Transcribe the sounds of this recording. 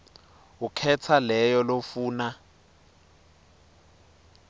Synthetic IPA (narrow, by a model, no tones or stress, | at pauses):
ukʰɛt͡sʰalɛjɔlofuːna